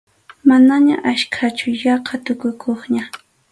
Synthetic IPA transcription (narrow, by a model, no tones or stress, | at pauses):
manaɲa̰ʔaʃkʰat͡ʃʊjɑqʰɑt̪ʊkʊkʰoχɲa